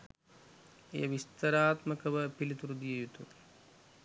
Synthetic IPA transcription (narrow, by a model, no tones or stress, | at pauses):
ḛjɐʋist̪ɐɾaːt̪mɐkɐʋɐpilit̪uɾud̪ijɐjut̪u